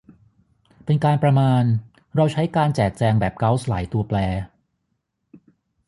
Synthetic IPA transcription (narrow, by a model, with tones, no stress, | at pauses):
pe˧nkaː˧npɾa˧maː˧n | ɾa˧wt͡ɕʰa˦˥jkaː˧nt͡ɕɛː˨˩k̚t͡ɕɛː˧ŋbɛː˨˩p̚ka˦˥wsla̰ː˩˦jt̪u˧ɐplɛː˧